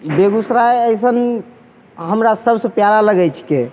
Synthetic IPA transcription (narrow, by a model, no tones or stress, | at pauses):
beɡusɾaeəjsən | ɦəmɾasəbsə̃pjalaləɡɛt͡ʃʰke